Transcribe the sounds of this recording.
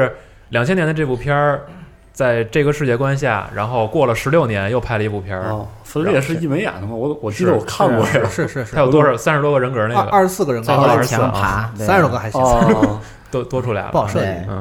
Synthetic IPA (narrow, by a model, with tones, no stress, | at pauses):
ɻ̩˥˧˩ | ljɑ˨˩ŋt͡ɕʰjɛ˥njnd̪ə˧ʈ͡ʂɤ˥˧˩pu˥˩pʰjɑ˥ | t͡sa˥˧ɪʈ͡ʂɤ˥˩ɡə˧ʂɻ̩˥˧t͡ɕjɛ˥˩kwa˥nɕ̬ja̰˥˩ɻa̰˧˥nxo˥˧ʊkwɔ˥˩lə˩ʂɻ̩˧˥ljo˥˩ʊnjɛ˧˥njo˧ʊpʰa˥˩ɪlə˩i˧˥pu˥˩pʰjɑ˥˧ | fə˥nljɛ˥˩ʂ̬ɻ̩˥˧i˥˩me˧˥ɪja̰˨˩d̪ə˧˩ə˩wɔ˧˥wɔ˨˩t͡ɕi˥d̪ə˧wɔ˨˩kʰa˥˧nkwɔ˥˧˩ʂɻ̩˥˩ʂɻ̩ʰ˥˧˥jo˨˩t̪wɔ˥ʂɑ˧˩ʊsa˥nɻ̩˧t̪wɔ˥ɡə˧ɻə˧˥nkə˞˨˧˥ne˥˧˩ɡə̰˧ɐ˥˩ʂɻ̩˧˥sɹ̩˥˩ɡə˩ɻə˧˥ŋ˧˥˩t͡ɕ̩ʰ˧˥˩a˧˥sa˥n̩˧˥o˧˩ɡə˧xa˧˥ɪ˥˧ | t̪ɔ˥t̪wɔ˥ʈ͡ʂʰu˥la̰˧ɪɑ˥˧˩ʂɤ˥˧˩n̩˥˩